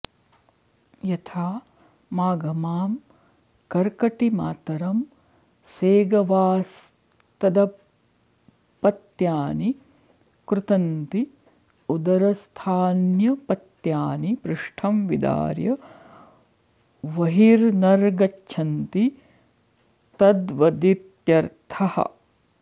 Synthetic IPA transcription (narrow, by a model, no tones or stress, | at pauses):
jɐt̪ʰaː | maːɡɐmaːm | kɐɾkɐʈima̰ːt̪ɐɾɐm | seːɡɐʋaːs | t̪ɐd̪ɐ | pɐt̪jaːni | kɾut̪ɐnt̪i | ud̪ɐɾɐst̪ʰaːnjɐpɐt̪jaːnipɾɪʂʈʰɐmʋid̪a̰ːɾjɐ | ʋɐɦiɾnɐɾɡɐtːʃʰɐnt̪i | t̪ɐd̪ʋɐd̪iɾt̪jɐɾt̪ʰɐhɐ̰